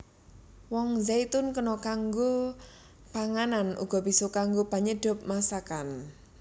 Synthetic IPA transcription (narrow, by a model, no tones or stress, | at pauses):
wɔŋzajt̪ʊnkənɔkaŋɡo | paŋananṵɡ̥ɔ̤bisɔkaŋɡopaɲəɖ̥ʊ̤p̚masakan